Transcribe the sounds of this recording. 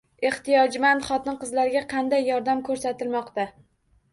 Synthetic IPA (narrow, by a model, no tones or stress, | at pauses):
e̞ht̪ɪjɒd͡ʒmanχɒt̪ɪnqɨzlaɾɡʲaqʰɑnd̪ajːɒɾd̪amkʰɵɾsat̪ɪlmɒqt̪a